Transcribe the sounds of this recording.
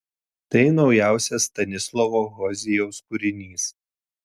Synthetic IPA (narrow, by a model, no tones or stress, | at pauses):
t̪ɐɪnɒʊjæˑʊsʲɛst̪ɐnʲɪslˠɔʋoːɣɔzʲɪjoʊskʊɾʲɪnʲiːs